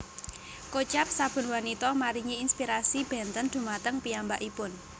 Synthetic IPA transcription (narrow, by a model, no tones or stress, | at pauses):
kot͡ʃap̚sab̥ʊ̤nwanit̪ɔmaɾiŋiːnspiɾasib̥ɛ̤nt̪ənd̪̥ṳmat̪əŋpiambaʔipʊn